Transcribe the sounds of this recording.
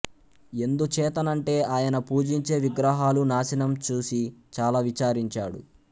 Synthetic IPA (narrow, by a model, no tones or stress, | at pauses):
e̞nd̪ut͡ʃɛːt̪ɐnɐɳʈe̞ːʔaːjɐnɐpuːd͡ʒiɲt͡ʃe̞ːʋiɡɾɐɦaːlunaːʃinɐmt͡ʃuːsit͡ʃaːlaːʋit͡ʃaːɾiɲt͡ʃaːɽṵ